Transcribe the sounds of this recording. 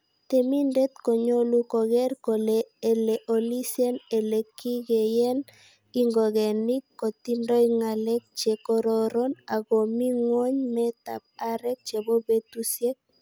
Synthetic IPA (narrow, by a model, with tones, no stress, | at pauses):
t̪e˨mi˦ndɛ˦t̪kɔ˨ɲo˦lu˦kɔ˨ɣɛ˦rko˨lee˨le˨ʔo˨li˦sjɛ˦ne˨le˨ki˦ɡe˨jɛ˦n | i˦ŋɡɔ˨ɣɛ˨ni˦kːɔ˨t̪i˦ndɔ˦iŋa˨lɛ˦k̚t͡ʃe˨kɔ˦ɾɔɾɔ˦na˨ɣo˨mi˦ŋwɔ˦ɲmɛt̪a̰˨p̚a˦ɾɛ˦k̚t͡ʃe˨bo˦be˦t̪usjɛ˦k̚